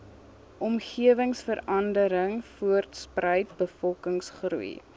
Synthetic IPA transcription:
ʔɔmχiəvəŋsfəɾɐndəɾəŋfuərtsprəjtbəfɔlˠkəŋsχrṵḭ

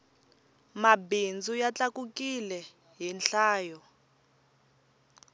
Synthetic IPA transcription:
mabind͡zujat͡ɬʼakukʼilɛ | ɦinɬaːjɔ

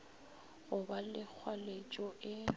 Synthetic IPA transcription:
ɣʊbalɪk͡xʰwalet͡ʃʼɔʔɪ

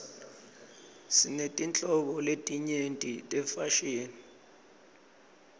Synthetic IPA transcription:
sinetʼint͡ɬʼɔɓɔletʼiɲentʼitʼɛfaʃeːni

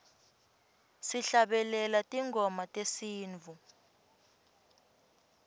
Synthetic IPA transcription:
siɬaɓɛlɛlatʼiŋʱɔmatʼesiːnvʱu

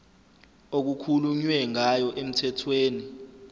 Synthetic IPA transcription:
ok̬ukʰuluɲwɛŋajɔʔem̩tʰɛtʰweːni

